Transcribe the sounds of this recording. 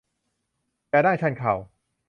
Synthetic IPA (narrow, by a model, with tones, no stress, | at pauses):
jaː˧daː˥˩jt͡ɕʰa˧˩nkʰaː˨˩w